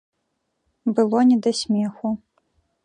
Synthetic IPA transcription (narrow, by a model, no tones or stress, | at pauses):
bɨlˠɔnʲɛd̪ɐsʲmʲɛxu